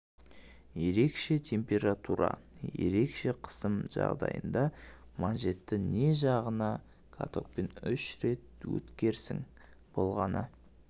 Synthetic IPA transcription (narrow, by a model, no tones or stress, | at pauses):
je̞ɾe̞kʃe̞t̪ʲʰe̞mpʲe̞ɾat̪uɾɑ̰je̞̰ɾe̞kʃe̞qʰə̥səmʒɑ̰ʁd̪ɑ̰jə̰nd̪ɑmɑnʒe̞t̪ːɪne̞ʒɑʁənɑ | kʰa̰t̪ʰo̞̰k̚pe̞nʏʃɾe̞t̪̚wɵ̰t̪kʲe̞ɾsɪŋ | b̥o̞lˠʁɑnə